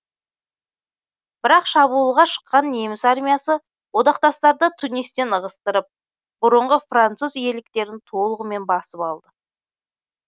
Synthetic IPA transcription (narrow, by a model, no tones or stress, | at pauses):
b̥ɪɾɑqʃɑβulˠʁɑʃə̥qːɑnːe̞mɪsarmʲijasə | wo̞d̪ɑqt̪ɑst̪ɑɾd̪ət̪ʰʊne̞st̪e̞nəʁəst̪əɾəp̚ | b̥ʊɾəɴʁəfrant̪suzje̞lɪk̚t̪e̞ɾɪnt̪ʰo̞lˠəʁəme̞nbɑsəpɑlˠd̪ə